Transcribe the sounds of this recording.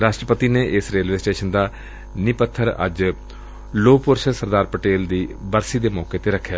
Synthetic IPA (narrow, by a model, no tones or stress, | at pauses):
ɾaːʃʈɾəpət̪ineːʔɪsɾeːlʋeːsʈeːʃənd̪aː | nɪpət̪ʰːəɾə̰d͡ʒ | loːpʊɾʃsəɾd̪aːɾpəʈeːld̪iːbəɾsiːd̪eːmɔːkeːt̪eːɾəkʰːjaː